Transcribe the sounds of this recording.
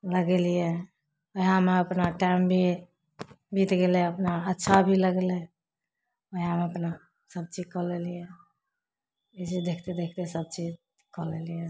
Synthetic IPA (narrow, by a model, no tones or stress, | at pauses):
ləɡelijɛ | oameəpnaʈambʱi | bit̪ɡeleəpnaətːʃʰabʱiləɡele | oameəpna | səb̚t͡ʃid͡ʒkɔlelijɛ | ed͡ʒid̪ekʰt̪ed̪ekʰt̪esəb̚t͡ʃid͡ʒ | kɔlelije